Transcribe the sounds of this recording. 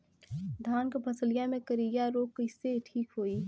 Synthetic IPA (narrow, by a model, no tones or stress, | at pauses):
d̪ʱaːnkpʰɐsəlɪjamẽkəɾijaɾoːkːəɪseʈʰiːkɦoːi